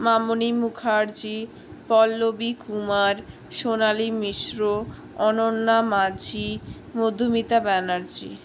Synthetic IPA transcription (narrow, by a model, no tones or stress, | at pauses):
mamonimukʰaɾd͡ʑi | pɔlːobikumaɾ | ʃonalimiʃɾo | ɔnonːamad͡ʑʱi | mod̪ʱːomit̪abɛnaɾd͡ʑḭ